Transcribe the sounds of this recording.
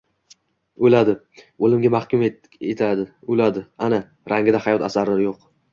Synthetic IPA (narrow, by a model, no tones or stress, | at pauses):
ojlad̪ɪ | olɪmɡʲamahkʲʊm | et̪ʰad̪ɪojlad̪ɪana | ɾʔaŋɡʲɪd̪ahajɒt̪ʰasaɾlaɾjoq